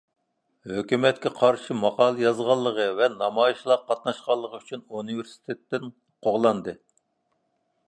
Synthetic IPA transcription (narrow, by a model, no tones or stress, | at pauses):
høkʲymɛt̪̚kʲɛqʰɑɾʃɨmɑqɑːlˠɨjɑzʁɑlˠːəʁəvɛnɑmɑjiʃlˠɑqʰːɑt̪nɑʃqɑlˠːəʁəyt͡ʃʰynuniveɾsi̥t̪ʰet̪ːɪn | qʰoʁlˠɑnd̪ɨ